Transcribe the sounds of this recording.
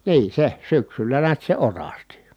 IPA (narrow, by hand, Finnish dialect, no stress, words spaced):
niː se syksylːæ niæt se orɑsti